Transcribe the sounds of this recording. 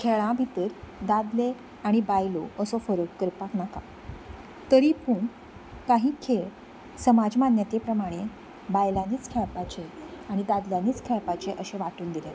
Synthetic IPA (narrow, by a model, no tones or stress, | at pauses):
kʰeɭãbʱit̪əɾd̪ad̪le | aɽ̃ibajloʔəsɔfəɾəkkːəɾpaknaka | t̪əɾiːpuɳ | kaɦiːkʰeɭ | səmad͡zmanjat̪epɾəmaɽ̃e | bajlãniːt͡skʰɛɭpat͡ɕeaɽ̃id̪ad̪ljaniːt͡skʰɛɭpat͡ɕeʔəɕeʋaʈuːnd̪ile